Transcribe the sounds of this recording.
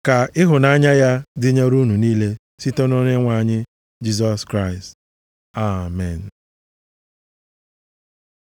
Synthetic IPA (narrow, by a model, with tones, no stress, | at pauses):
ka˨ɪ˦ɦʊ˨na˦ɲa˦ja˦dɪ˦ɲa˦ɾu˦nu˨niː˦le˦ | si˦to˦no˦ɲe˦ŋʷa˨ɲɪ˦ | d͡ʒi˦z̬ɔ˨skɾa˦˨ɪ˨st | a˨mɛ˨n̩˨